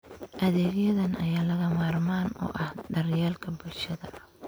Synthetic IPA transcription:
ʔɐðɛːɣjɐðɐnʔɐjaːlɐɣɐmaːrmaːnɔ̰ːʔɐhdɐrjɛːlkʰɐbʊlʃɐðɐ

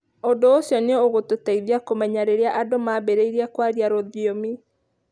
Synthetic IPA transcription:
ondoːsjɔneooɣototaiðiakomɛɲaɾeɾeaʔadomaːbeɾeiɾiakwaɾiaɾoðiomi

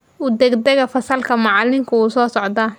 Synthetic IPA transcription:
ud̪ɛɡd̪ɛɣɐfɐsɐlkʰɐmɑʕɑlɪŋkʰʊuːsɔːsɔʕd̪ɐː

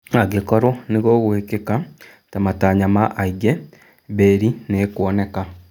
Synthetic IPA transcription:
aɡekɔɾoneɣoːɣoekeka | tamataːɲamaʔaiɡɛ | βeːɾinekwɔneka

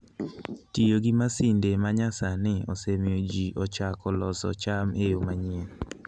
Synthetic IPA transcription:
tijoɡimasɪndemaɲasanɪosemjod͡ʒiʔɔt͡ʃakɔlɔsɔ̰t͡ʃamejomaɲen

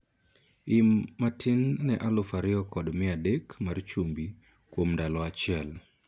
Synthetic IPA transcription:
ɪmːatʰɪnnɛʔalʊfaɾɪɔkɔdmɪadɛkmart͡ʃumbi | kwomndalɔat͡ʃɪɛl

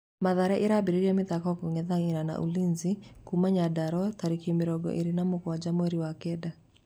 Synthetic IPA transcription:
maðaɾɛʔeɾabeɾeɾiameðakɔkoŋɛðaŋeɾana̰ʔṵlinzikumaɲadaɾɔtaɾikiemeɾɔɡɔ̰ʔeɾenamokwad͡ʒamwɛɾiwakɛda

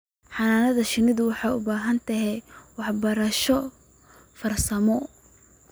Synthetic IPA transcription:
ħɑnaːnɐðɐʃɪnɪðʊwɑħɑʊbaːɦɐnt̪ʰɐɦɛwɑħbɐɾɐʃɔ | fɐrsɐmɔ

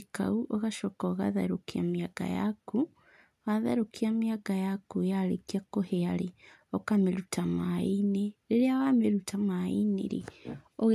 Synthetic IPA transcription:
ka̰uʔɔɣaʃɔkɔɣa̰ða̰ɾokia̰miaɡa̰ja̰ku | ɣaða̰ɾokiamiaɡajakujalḛkiakoheaɾeɔkameɾutamaineɾeɾeawameɾutamaḭnḛɾḛɔɣ

